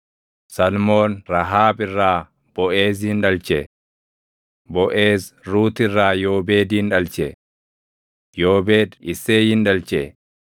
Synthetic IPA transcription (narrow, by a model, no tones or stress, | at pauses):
sɐlmo̞ːnɾɐɦaːbɪrːaː | b̥ɔʔe̞ːz̬hɪnᶑɐlt͡ʃɛ | bɔʔe̞ːsɾuːt̪ɪrːaːjo̞ːbe̞ːd̪iːnᶑɐlt͡ʃɛ | joːbe̞ːd̪ɪsːeːhɪnᶑɐlt͡ʃɛ